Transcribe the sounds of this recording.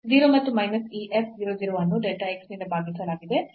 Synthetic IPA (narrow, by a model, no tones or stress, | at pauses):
ziːɾomɐt̪ːumɐjnɐsiːʔepʰʋiɾod̪iɾuʋɐnːuɖeʈaeksnind̪ɐbʱaːɡisɐlaːɡid̪e̞